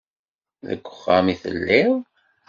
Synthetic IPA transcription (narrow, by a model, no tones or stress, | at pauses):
ðə̰ɡʷːəχːamiθə̰lːiw